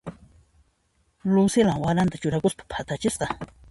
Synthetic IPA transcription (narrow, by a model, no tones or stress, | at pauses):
lʊsɪlaŋwaɾant̪at͡ʃʊɾakʊspḁpʰat̪at͡ʃɪsqɑ